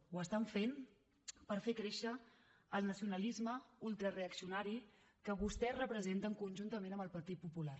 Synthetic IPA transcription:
uəst̪aɱfen | pəɾfekɾeʃəː | lˠnəsiunəlizməulˠt̪ɾəreəksiunaɾi | kəβust̪ɛrəpɾəzent̪əŋkunʲʒunt̪əmenəmbəlˠpəɾt̪it̪̚pupulaɾ

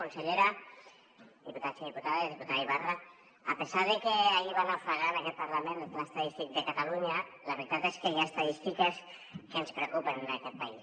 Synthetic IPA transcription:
kunseʎeɾa | ðiput̪at͡siðiput̪aðeðiput̪aðiβaraː | pezaðekeaiβanafaɣanakɛt̪̚paɾlamenləest̪aðist̪ik̚d̪ekat̪aluɲa | ləβɾit̪at̪eskejaest̪aðist̪ikes | kenspɾeokupənakɛt̪̚pais

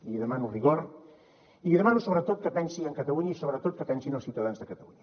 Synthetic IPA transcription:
iʎiðəmanuriɣoɾ | iʎiðəmanusoβɾət̪ot̪̚kəpɛnsiəŋkət̪əluɲəisoβɾət̪ot̪̚kəpɛnsinəlˠsiwt̪əðanzðəkət̪əluɲə

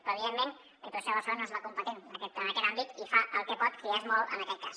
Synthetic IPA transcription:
pɾɔəβiðemːẽn | ət̪oʃeβəsonozβakumpət̪enəkɛt̪ənəkɛt̪ambit̪ifaʔəlˠkəpɔt̪̚kɾiazmɔlə̰nəkɛt̪̚kas

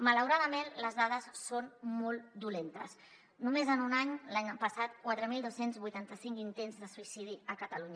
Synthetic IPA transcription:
mələwɾaðəmenləzðað̞əsːonmɔlˠt̪d̪ulent̪əs | numezənunaɲlaɲpəsat̪kwat̪ɾəmilˠd̪osenzβujt̪ant̪əsiŋkint̪enzðəsuisiðiəkət̪əluɲə

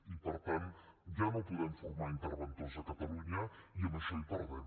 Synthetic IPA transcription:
ipəɾt̪anʒanopuðɛmfuɾmaɾint̪əɾβənt̪onzəkɐt̪ɐluɲəiəməʃoipəɾðɛn

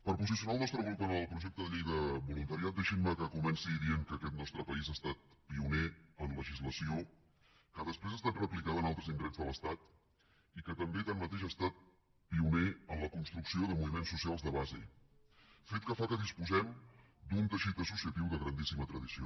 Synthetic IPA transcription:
pəɾpuzis̬iunalˠnɔst̪ɾəɣɾupənəlˠpɾuʒɛk̚t̪əðəʎejðəβulunt̪əɾiat̪̚d̪əʃiməkəkumɛnsiðiəŋkəkɛt̪nɔst̪ɾəpəizast̪at̪̚piuneənləʒizləsio | kəðəspɾezəst̪at̪rəplikaðənalˠt̪ɾəzinɡ̪ɾɛnzðələst̪at̪ | ikət̪əmbet̪anmət̪eʃast̪at̪̚ | piuneənləkunst̪ɾuksioðəmuβimensːusialˠzðəβazḭ | fet̪̚kəfakəðispuzɛm | d̪unt̪əʃit̪əsusiət̪iwðəɣɾənd̪isimət̪ɾəðisio̰

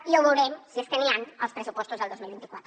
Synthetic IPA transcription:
ioɣoɾemsieskelianalspɾesupwost̪ozeld̪ozmilβent̪i̥kwat̪

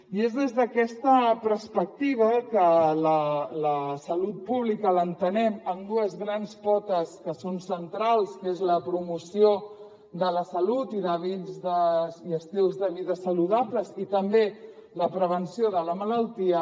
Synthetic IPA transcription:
iezðezðəkɛst̪əpəɾspək̚t̪iβ̞əkələləsəlut̪̚puβ̞likələnt̪ənɛməmd̪uəzɣɾanspɔt̪əskəsonsənt̪ɾalˠskezləpɾumusio | d̪ələsəlut̪iðəβid͡zðəiəst̪ilˠzðəβ̞iðəsəluðapləzit̪əmbe | ləpɾəβ̞ənsijoðələmələlˠt̪iə

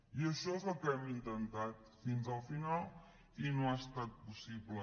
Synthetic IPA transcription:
joʃovakɛmĩnt̪ɐnd̪at̪̚finzalˠfinalˠ | inõast̪at̪̚pusiblə

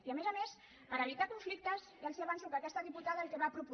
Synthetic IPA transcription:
iəmezəmes | pəɾeβit̪akuɱflik̚t̪əzjalsiaβansukəːkɛst̪əðiput̪aðəlkeβapɾupu

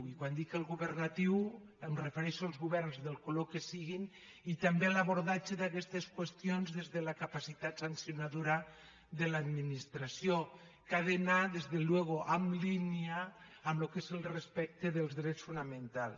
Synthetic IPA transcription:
ikwand̪ikelˠɣuβernat̪iw | emrefeɾɛʃoalˠzɣuβɛrnzðelkolokesiɣin | it̪ambelaβoɾðat͡ʃeðakɛst̪eskwest̪jonzðezðelakapasit̪at̪sansjonaðuɾa | ðelad̪minist̪ɾasjo | kaðenaðezðelweɣ̞oʔamliniaː | mlokezelˠrespɛk̚t̪eðelˠzðɾɛt͡sfunamẽnt̪al

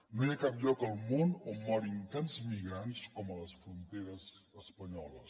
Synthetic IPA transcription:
noiakap̚ʎɔkəlˠmonomɔɾint̪anzmiɣɾanskɔmələsfɾunt̪eɾəzəspəɲɔləs

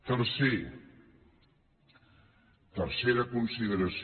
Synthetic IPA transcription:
t̪əɾse | t̪əɾseɾəkunsiðəɾəs

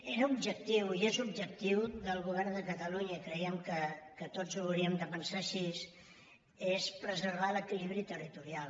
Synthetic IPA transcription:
eɾəubʒək̚t̪iwiezub̚ʒək̚t̪iwðəlˠɣuβɛrnd̪əkət̪əluɲəkɾəiəmkəkət̪od͡zuwɾiəmd̪əpənsaʃis | espɾəzəɾβ̞aləkiliβɾit̪ərit̪uɾial

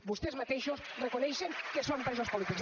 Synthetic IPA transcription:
bust̪ezmɐt̪ejʃosrekonɛjʃeŋkesõmpɾezospolit̪ikz

